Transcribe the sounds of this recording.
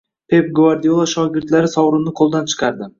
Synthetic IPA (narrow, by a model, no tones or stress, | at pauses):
pʰe̞pɡvaɾd̪iolˠaʃɒɡʲɪɾt̪laɾɪsɒwɾɪmnɪqʰolˠd̪ant͡ʃʰɨ̥qʰɑɾd̪ɪ